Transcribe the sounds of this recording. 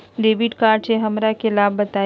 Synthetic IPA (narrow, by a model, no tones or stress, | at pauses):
ɖeːbiʈkaːɾʈseɦɐmɾakelaːbːɐt̪aː